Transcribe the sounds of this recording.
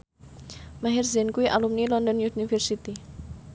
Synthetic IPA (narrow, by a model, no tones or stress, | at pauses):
maɦɛrzɛnkuiʔalumnilɔnd̪ɔnunifɛrsit̪i